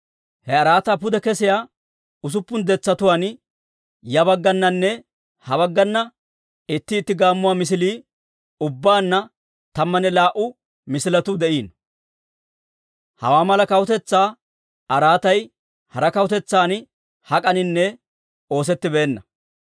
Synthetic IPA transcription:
hɛɐɾaːt̪aːpʊd̪ɛkɛsɪjaː | ʊs̬ʊpːʊnd̪ɛt͡sːɐt̪ʊwaːn | jɐbɐɡːɐnːɐnːɛ | hɐbɐɡːɐnːɐ | ɪt̪ːɪːt̪ːɪɡaːmːʊwaːmɪs̬ɪliː | ʊbːaːnːɐ | t̪ɐmːɐnɛlaːʔʊ | mɪsɪlɐt̪ʊd̪ɛʔiːn | hɐ̰waːmɐlɐkɐwʊt̪ɛt͡sːaː | ɐɾaːt̪ɐj | hɐɾɐkɐwʊt̪ɛt͡sːaːn | hɐkʼɐnɪnːɛ | o̞ːs̬ɛt̪ːɪbeːnːɐ

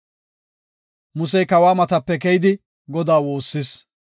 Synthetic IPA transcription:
mʊsɛjkɐwaːmɐt̪ɐpːɛkɛjɪd̪ɪ | ɡɔd̪aːwo̞ːsːɪs

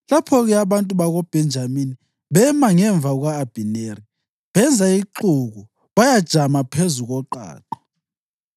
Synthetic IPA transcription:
lapʰɔɣɛaβantʼuβaɣɔb̥ʱɛnd͡ʒʱamini | ɓɛmaŋɛɱb̪vʱaɣ̬waːb̥ʱineri | βɛnd͡zʱaiǃuɣu | βajad̥ʒ̥ʱamapʰezuɣɔǃa̰ːǃɔ̥

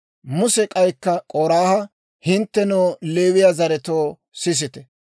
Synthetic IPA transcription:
mʊsɛkʼɐjkːɐkʼoːɾaːhɐ | hɪnt̪ːɛnoːleːwɪjazɐɾɛt̪oː | sɪs̬ɪt̪ɛ

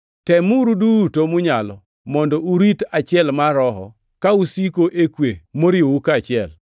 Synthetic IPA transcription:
tɛmuɾudutomʊɲalɔ | mɔndɔuɾitat͡ʃɪɛlmaɾɔɦɔ̰ | kausikoʔekwemoɾɪoukat͡ʃɪɛl

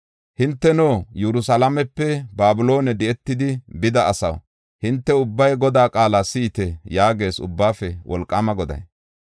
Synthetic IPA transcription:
hɪnt̪ːɛnoːjɛɾʊsɐlɐmɛpːɛbaːbʊlo̞ːnɛd̪ɛɛt̪ːɪd̪ɪbɪd̪ɐɐsɐ̰w | hɪnt̪ːɛʊbːɐjɡɔd̪aːkʼaːlasiːt̪ɛjaːɡe̞ːsʊ̰bːaːfɛwʔɔ̰lkʼːɐmɐɡɔd̪ɐ̰j

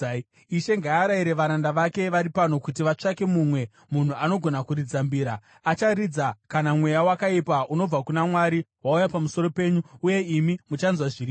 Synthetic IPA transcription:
iʃe̞ŋɡaaɾaiɾe̞ʋaɾandaʋake̞ʋaɾipano̞kut̬iʋat͡ʂake̞mumwe̞ | mun̤uano̞ɡʱo̞nakuɾid͡zambiːɾa | at͡ʃaɾid͡zakanamwe̞jawakaipaʔuno̞b͡vakunamwaɾiwaujapamuso̞ɾo̞pe̞ːɲuuje̞imimut͡ʃanzwaʐiri

